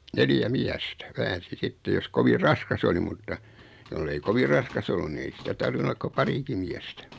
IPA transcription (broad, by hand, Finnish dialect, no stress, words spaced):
neljæ miæstæ ʋæːnsi sitːe jos koʋir rɑskɑs oli mutːɑ jolːei koʋi rɑskɑs olːun ni ei sitæ tɑrʋinu olːɑk ko pɑriki miæstæ